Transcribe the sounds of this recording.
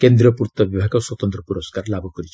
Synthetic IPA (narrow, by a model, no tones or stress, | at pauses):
kend̪ɾɔpuɾt̪ɔbjɔbʱaɡɔswɔt̪ɔnt̪ɾɔpuɾɔskaɾlabukɔɾit͡ʃʰ